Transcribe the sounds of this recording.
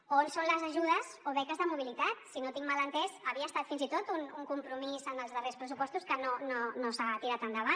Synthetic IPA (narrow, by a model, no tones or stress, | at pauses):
onsonləzəʒuð̞əzoβɛkəzðəmuβ̞ilit̪at̪sinot̪iŋmalənt̪ɛzəβiəst̪at̪finzit̪ot̪unuŋkumpɾumizənəlˠzðərespɾəsupɔst̪uskənononosat̪iɾat̪ənd̪əβa